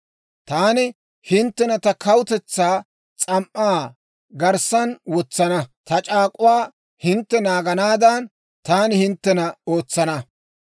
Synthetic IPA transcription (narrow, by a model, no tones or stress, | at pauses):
t̪aːnɪ | hɪnt̪ːɛnɐt̪ɐkɐwʊt̪ɛt͡sːaː | t͡sʼɐmʔaː | ɡɐɾsɐnwɔt͡sːɐnɐt̪ɐt͡ʃʼaːkʼʊwaː | hɪnt̪ːɛnaːɡɐnaːd̪ɐn | t̪aːnɪhɪnt̪ːɛnɐoːt͡sːɐnɐ